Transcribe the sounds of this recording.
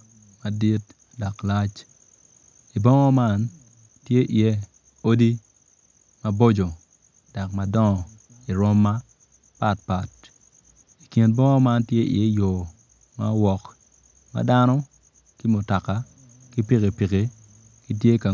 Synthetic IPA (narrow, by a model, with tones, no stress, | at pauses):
ma˨di˦t | da˨kla˦t͡ʃ | i˨bɔ˦ŋɔ˦ma˦n | tje˦ʔɪ˨e˦ | o˦di˦ | ma˦bo˦d͡ʒo˨ | d̥a˨kma˨dɔ˦ŋɔ˨ | i˨ɾɔ˦mːa˦ | pa˦t̚pa˨t̚ | i˨ki˨nbɔ˦ŋɔ˦ma˦ntje˦ʔɪ̰˨e˦jo˨ | ma̰˦wɔ˨k | ma̰˨da˦nɔ˦ | ki˦mʊ˨ta˨ka˨ | ki˦pi˦ke˨pi˨ke˨ | ki˦t̬je˦ka˨